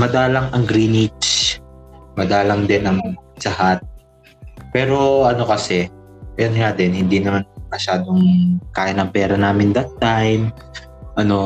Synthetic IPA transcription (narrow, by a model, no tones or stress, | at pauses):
mɐd̪aːlɐŋʔɐŋɡɾiːnit͡ʃ | mɐd̪aːlɐŋd̪ɪnɐŋd͡ʒɐhat̪̚ | pɛːɾo̞ʔɐno̞kɐsɛ | ʔɐjonŋad̪ɛnhɪnd̪inɐmanmɐʃaːd̪oŋkaːjɐnɐŋpɛːɾɐnaːmɪnd̪ɐt̪ːajm | ʔɐno̞